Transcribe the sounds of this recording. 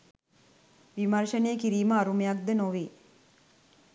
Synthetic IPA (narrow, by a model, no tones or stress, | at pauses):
ʋimɐrʃəneːkiɾiːməːɾumejak̚d̪ənoʋeː